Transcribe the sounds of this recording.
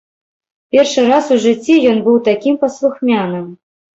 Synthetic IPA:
pʲerʂɨɾasuʐɨt͡sʲːijɔnbɨwt̪akʲimpɐslˠuxmʲanɨm

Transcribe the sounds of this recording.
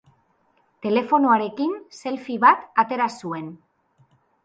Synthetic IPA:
t̪e̞le̞fo̞noaɾe̞kinse̞lfiβat̪at̪e̞ɾasue̞n

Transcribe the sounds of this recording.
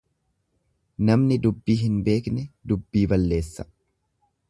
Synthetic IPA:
nɐmnɪd̪ʊbːiːɦɪnbe̞ːknɛd̪ʊbːiːbɐlːe̞ːsːɐ̥

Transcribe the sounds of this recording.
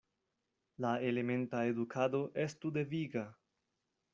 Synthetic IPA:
lae̞le̞me̞ntaedukʰado̞ʔe̞stude̞viɡa

